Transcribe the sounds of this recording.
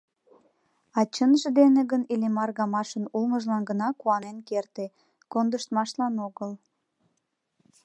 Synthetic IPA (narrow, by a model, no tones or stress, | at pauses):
ɑt͡ɕənʒĕd̪eneɣənilimɑrɣɑmɑʃənulŋəʒlɑnɡənɑkuɑnenkert̪e | kond̪əʃt̪mɑʃlɑnoɣəl